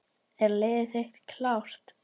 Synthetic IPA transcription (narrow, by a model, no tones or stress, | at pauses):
ɛɾleːðɪθext̪kʰlawr̥t̪